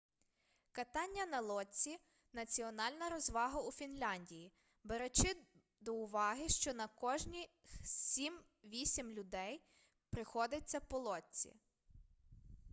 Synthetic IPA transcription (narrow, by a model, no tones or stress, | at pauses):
kɐt̪ɑnʲːɐnɐlˠɔtʲt͡sʲi | nɐt͡sʲiɔnɑlʲnɐɾɔzʋɑɦɐufʲinlʲanʲdʲiji | beɾet͡ʃɪ | d̪ɔʊʋɑɦɪʃt͡ʃɔnɐkɔʒnʲisʲim | ʋʲisʲimlʲʊd̪ɛj | pɾɪxɔd̪ɪt͡sʲːɐpɔlˠɔt͡sʲḭ